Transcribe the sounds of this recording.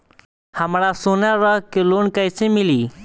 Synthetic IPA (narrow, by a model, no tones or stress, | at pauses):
həmɽaːsoːnaːɾəkeloːnkəsẽːmɪliː